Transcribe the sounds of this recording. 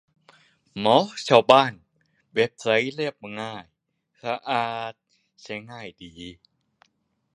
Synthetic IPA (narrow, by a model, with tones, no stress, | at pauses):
mɔ˨˦˥t͡ɕʰa˥˧˩wbaː˥˩n | we˦˥p̚ʰsa˨˦˥jle˥˩p̚ŋaː˧˥˩j | sa˧˦ʔaː˧t̪̚ | t͡ɕʰa˧˦ŋaː˥˩jdiː˨˦